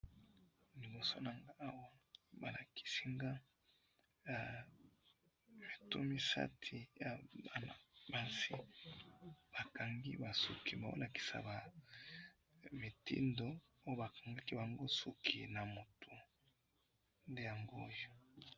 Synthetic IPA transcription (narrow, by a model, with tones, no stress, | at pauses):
li˨bo˨so˦na˨ŋɡaː˦wa˦ba˨la˨kʰi̥˨si˦ŋɡa˦˨ | me˨tu˦mi˦sa̰˦tʰi˨ja˨ba˨na̰˨ba˦si˦ | b̥a˨ka˨ŋɡḭ˦ba˨sṵ˨ki˨ba˨o̰˦la˨ki̥˨sa̰˨ba˨ | me˨tḭ˦ndo˨ | o˦jo˦ba˨ka˨ŋɡa˦ki˦ba˨ŋɡo˦su˨kʰi˨na˨mo˨tʰu˨ | nde˦ja˨ŋɡo˦jo˦